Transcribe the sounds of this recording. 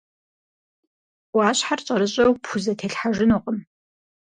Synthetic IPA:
waːɕħarɕʼɐɾɨɕʼɐwpʰuzɐtʰeːɬħaʒɪnuːqʼəm

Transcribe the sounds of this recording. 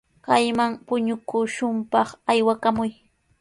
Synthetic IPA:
kajmaŋpʊɲʊkʊʃʊmpɑχajwakamʊj

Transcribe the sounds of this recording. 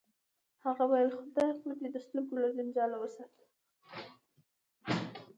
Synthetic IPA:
haɣawajəlxʊd̪ɑxud̪ed̪əsluɡolad͡ʒɪnd͡ʒɑlawəsɑt̪ə

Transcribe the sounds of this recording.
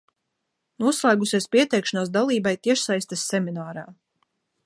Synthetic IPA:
nuɔslˠaːɡusʲiɛspʲiɛt̪ɛjkʃanaːsd̪alˠiːbajt̪iɛʃsajst̪ɛsːɛminaːɾaː

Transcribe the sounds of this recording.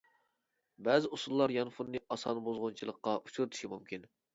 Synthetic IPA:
bɛzɪusulˠːɑɾjɑnfunːɨʔɑsɑnbozʁʊnt͡ʃʰilˠəqːɑʔut͡ʃʰuɾɨt̪ʰu̥ʃimumkʲin

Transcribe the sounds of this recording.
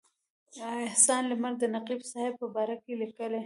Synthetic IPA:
ɪhsɑnləmaɾd̪ənaqibsɑhɪb̚pəbɑɾakelikəle

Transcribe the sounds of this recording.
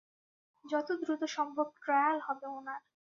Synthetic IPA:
d͡ʑɔt̪od̪ɾut̪oʃɔmbʱob̚ʈɾajalhɔbeonaɾ

